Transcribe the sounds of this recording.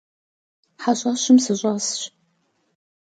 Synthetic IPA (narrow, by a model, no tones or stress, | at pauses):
ħaɕʼɐɕɪmsɨɕʷʼɐsɕ